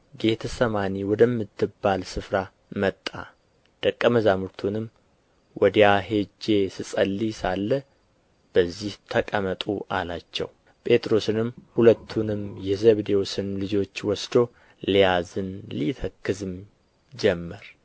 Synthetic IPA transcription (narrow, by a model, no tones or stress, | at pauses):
ɡe̞t̪ʰəsəmaniwɔd̪əmːɨt̪ʰːɨbːalsɨfɾa | mət̪ʼːa̰ | d̪̥əkʼːəməzamuɾt̪ʰunɨm | wʔɔd̪jaɦe̞d͡ʒe̞sɨsʼəlːisalːə | b̥əzːiht̪ʰəkʼəmət̪ʼuʔa̰lat͡ʃːɛ̰w | pʼe̞t̪ʼɾo̞sɨnɨmːhulət̪ʰːunɨmjɛzəβd̪ewosɨnlɨd͡ʒo̞t͡ʃːwɔsd̪o̞ | lijazɨnlit̪ʰəkːɨzɨm | d͡ʒɛmːəɾ